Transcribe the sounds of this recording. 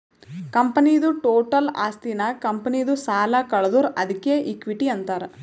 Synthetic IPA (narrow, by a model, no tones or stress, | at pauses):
kɐmpɐnid̪uʈoːʈɐla̰ːst̪inɐkɐmpɐnid̪usaːlɐkɐɭɐd̪uɾɐd̪ikːeːʔikʋiʈiɐnt̪aːɾe